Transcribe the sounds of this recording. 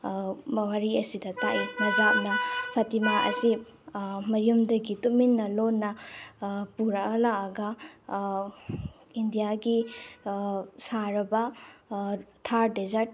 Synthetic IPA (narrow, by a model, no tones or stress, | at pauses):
mɐwaɾiɐsidɐtaʔimɐzap̚nɐpʰɐtimaʔɐ̰si | mɐjumdɐɡituminːɐlonːɐ | puɾɐkɐlaɡɐ | indijaɡi | saɾɐbɐ | tʰaɾdezɐɾt̚